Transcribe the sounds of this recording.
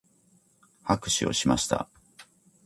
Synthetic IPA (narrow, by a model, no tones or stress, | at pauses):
hakɯ̟̥ɕio̞̰ɕimaɕi̥t̪a̰